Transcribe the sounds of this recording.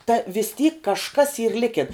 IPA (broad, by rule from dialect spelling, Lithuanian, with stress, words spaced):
tɐ ʋʲɪs tʲiːk kɐʃˈkɐs iːr ˈlʲɪkʲɪn